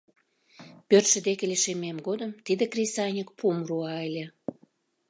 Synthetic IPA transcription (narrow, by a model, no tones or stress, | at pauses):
pørt̪ʃə̆d̪ekĕlʲeʃememɡod̪əmt̪id̪ĕkrʲesɑjnʲəkpʰumruɑelʲĕ